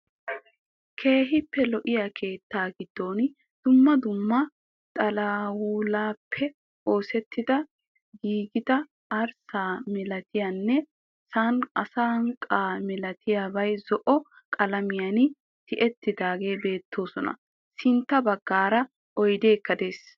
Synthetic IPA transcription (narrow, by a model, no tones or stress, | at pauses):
kʰe̞ːɦɪpːɛlɔʔɪjaːkʰe̞ːt̪ːaːɡɪd̪̥ːo̞ːn | d̪̥ʊmːɐd̪ʊmːɐ | t̪ʼɐlɐwuːlaːpʰːɛ | ʔo̞ːsɛt̪ːɪd̪ɐ | ɡiːɡɪd̪ɐ | ɐɾsaːmɛlɐt̪ɪjanːɛ | saːnɐsaːɐŋkʼaːmɪlɐt̪ʰɪjaːbɐjzɔʔɔ | kʼɐlɐmɪjanɪ | t̪ɪʔɛt̪ːɪd̪aːɡe̞ːbe̞ːt̪ːo̞ːsɔnɐ̰ | sɪnt̪ːɐbɐɡːaːɾɐ | ʔɔjd̪e̞ːkːɐd̪e̞ːs